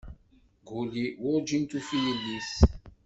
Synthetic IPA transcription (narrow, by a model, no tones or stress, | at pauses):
ɡuliwɔd͡ʒint̪ufilːis